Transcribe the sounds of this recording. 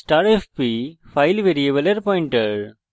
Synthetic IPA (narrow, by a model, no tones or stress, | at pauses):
sʈaːɾefpifaɪlʋeːɾiebəlɐɾpɔːɪ̃ɳʈəɾɖ